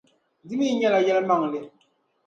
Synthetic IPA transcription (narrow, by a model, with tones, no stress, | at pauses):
di˦mi˦ɲɛ˦la˨jɛ˦lma˦˨ŋlɪ˦